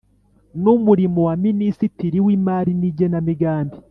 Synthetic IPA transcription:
numuɾimowaminisitiɾiwiːmaːɾiniɟenamiɡaːmbi

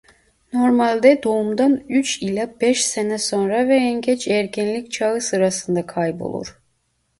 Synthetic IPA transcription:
no̞ɾmalʲd̪ɛd̪o̞umd̪anyt͡ʃilʲabɛʃsenɛso̞nɾavɛɛnɟɛt͡ʃɛɾcʰinlʲic̚ʲt͡ʃʰaɯsɯɾasɯnd̪akʰajbo̞̰lˠṵɾ̥

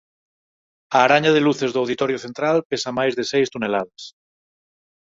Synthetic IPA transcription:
aːɾaɲað̞eluθezðoawð̞it̪oɾjoθent̪ɾalpesamajzðesejst̪unelaðas

